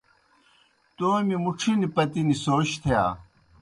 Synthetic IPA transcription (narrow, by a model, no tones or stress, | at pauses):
t̪oːmimuʈ͡ʂʰinipɐt̪inisoːɕt̪ʰeja̰ː